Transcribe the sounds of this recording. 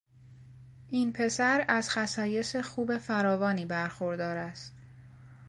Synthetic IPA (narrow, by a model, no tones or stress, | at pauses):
ʔiːnpʰe̞sæɾæz̥xæsɒːje̞se̞xuːbe̞fæɾɒːvɒːniːbæɾxoɾd̪ɒːɾæst̪